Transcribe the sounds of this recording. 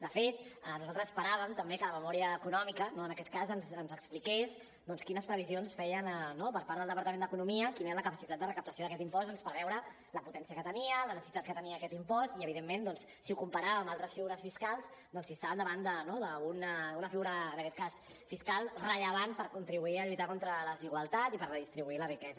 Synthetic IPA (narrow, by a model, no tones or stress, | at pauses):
d̪əfet̪ənuzalˠt̪ɾəzəspəɾaβəmt̪əmbekələməmɔɾiəːkunɔmikənoənəkɛt̪̚kazənzənzəksplikez | d̪ɔnskinəspɾəβizionsfɛjənənopəɾpaɾðəlˠd̪əpəɾt̪əmẽnd̪əkunumiəkineɾələkəpəsit̪at̪̚d̪ərəkəp̚t̪əsioðəkɛt̪impɔstd̪ɔnspəɾβɛwɾə | ləput̪ɛnsiəkət̪əniələnəsəsit̪at̪̚kət̪əniəːkɛt̪impɔst̪iəβiðemːend̪ɔnsːiukumpəɾaβəmbalˠt̪ɾəsfiɣuɾəsfiskalˠzd̪ɔnsist̪aβənd̪əβand̪ənoðəunəunəfiɣuɾəːnəkɛt̪̚kas | fiskalˠrəʎəβan̚pəɾkunt̪ɾiβuiəʎujt̪akont̪ɾələəziɣwəlˠt̪at̪ipəɾrəðist̪ɾiβuilərikɛzə